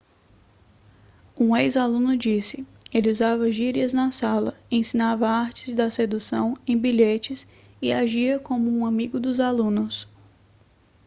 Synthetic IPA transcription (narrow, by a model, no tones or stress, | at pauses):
ũejzalũnʊd͡ʒisɪelɪuzavɐʒiɾiɐznɐsalɐẽsĩnavɐaɾt͡ʃɪ̥zd̪ɐsed̪usɐ̃w̃ẽj̃biʎet͡ʃɪs | ɪaʒiɐkõmʊũamiɡʊd̪ʊzalũnʊs